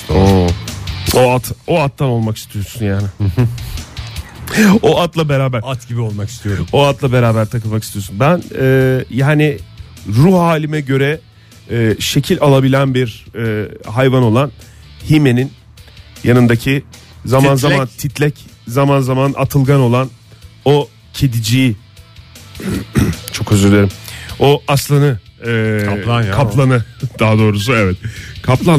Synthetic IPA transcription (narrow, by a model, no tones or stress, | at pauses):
o | oat̪ʰoat̪ʰːano̞lˠmaki̥st̪ʰijo̞ɾsunjaːnɪ | oʔat̪lˠabeɾaːbæɾat̪ɟibiolˠmaki̥st̪ijoɾmoat̪lˠabe̞ɾaːbæɾt̪ʰakɯlˠmaki̥st̪ʰijosunbænɛːjaːnɪ | ɾuhaːlʲimɛɟø̞ɾɛ | ɛːʃe̞cʰilʲalˠabilʲænbiɾɛːɦajvano̞lˠan | hime̞nin | janɯnd̪acʰi | zamanzamant̪ʰit̪ʰlʲɛc | zamanzamana̰t̪ʰɯlˠɡano̞lˠan | o | cʰed̪id͡ʒiji | t͡ʃʰo̞køzyɾd̪eɾimoʔaslˠanɯɛːkʰaplˠanɯd̪̥aɦad̪o̞ːɾus̬uɛvɛt̪̚kʰaplˠa